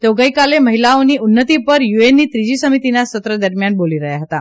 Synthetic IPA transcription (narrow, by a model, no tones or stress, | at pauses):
t̪owɡəjkaleməɦilaniːunːət̪ipəɾjuenːiːt̪ɾid͡ʑiːsəmit̪inasət̪ɾəd̪əɾmjanboliɾəɦjaɦət̪a